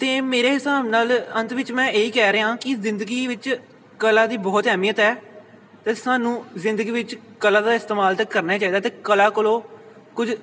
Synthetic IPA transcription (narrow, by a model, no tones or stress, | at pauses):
t̪eːmeːɾeːɦɪsaːbnaːlənt̪ʋɪt͡ʃmɛ̃ːeːiːkɛːɾəɦãːkɪzɪnd̪əɡiːʋɪt͡ʃ | kəlaːd̪iːbɔːt̪ɦɛːmiːət̪ɦɛː | t̪eːsaːnũːzɪ̃nd̪əɡiːʋɪt͡ʃ | kəlãːd̪aːɪst̪eːmaːlt̪əkːəɾnaːt͡ʃaːiːd̪aːt̪eːkəlaːkʊloː | kʊd͡ʒ